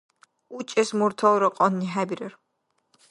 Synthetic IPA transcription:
ut͡ʃʼɛsmuɾt̪ʰɔɾɔqʼɔnːiɦæbiɾɛɾ

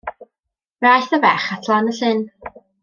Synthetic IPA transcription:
rajθəvɛχatʰlˠanəɬɪn

